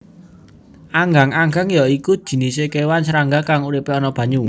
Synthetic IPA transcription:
ʔaŋɡaŋaŋɡaŋjɔikud̥ʒ̥i̤nisekewansɾaŋɡakaŋuɾipeɔnɔb̥ä̤ɲu

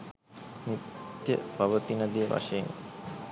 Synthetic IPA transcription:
nit̪jə̰paʋət̪inəd̪ijəʋa̰ʂeːn

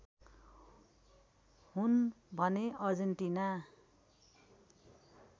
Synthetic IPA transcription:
hunbʱʌneʔʌrd͡zent̪ina

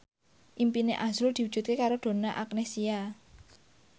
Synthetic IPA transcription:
ʔimpineʔazʊld̪̥iwudd͡ʒ̥ʒ̥ṳt̪̚kekaɾod̪̥o̤naʔaknesia

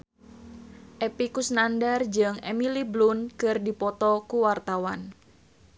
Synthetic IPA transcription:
ʔepikusnandard͡ʒɨŋemiliblunkɨrdipɔt̪ɔkuwart̪awan

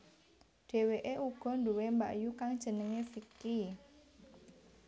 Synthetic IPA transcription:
ɖ̥e̤weʔeʔuɡ̥ɔ̤nduwemba̰ʔjukaŋd̥ʒ̥ə̤nəŋefiki

